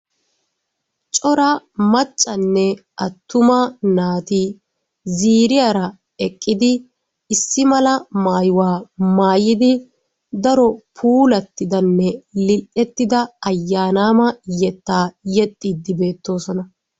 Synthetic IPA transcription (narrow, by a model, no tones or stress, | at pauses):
t͡ʃʼɔɾɐmɐt͡ʃʼːɐnːɛʔɐt̪ːʊmanaːt̪iː | ziːɾɪjaːɾɐ | ɛkʼːɪd̪ɪ | ɪsːɪmɐlɐmaːjʊwaːmaːjɪd̪ɪ | d̪ɐɾɔpʰuːlɐt̪ːɪd̪ɐnːɛlɪlʔɛt̪ːɪd̪ɐɐjːaːnaːmɐjɛt̪ːaːjɛt̪ʼːid̪ːɪbe̞ːt̪ːo̞ːsɔnɐ